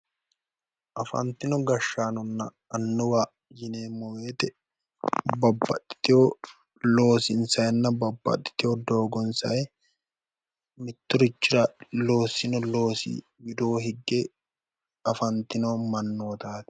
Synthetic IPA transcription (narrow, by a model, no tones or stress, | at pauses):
ʔɐfɐ̰nt̪ːɪnɔɡɐʃːaːnɔnːɐ | ɐnːʊwa | jɪneːmːɔweːt̪ɛ | bɐbːɐt̪ʼːɪ̥t̪ɪjo | lo̞ːsɪnsɐjɛnːɐbɐbːɐ̰t̪ʼːɪ̥t̪ɪjod̪o̞ːɡɔnsɐ̰ɛ | mɪt̪ːʊɾʊt͡ʃːɪɾɐlo̞ːsɪnɔlo̞ːsɪ̰ | jɪd̪o̞ːɦɪɡːe | ɐfɐnt̪ɪnomɐnːoːt̪aːt̪ɪ̥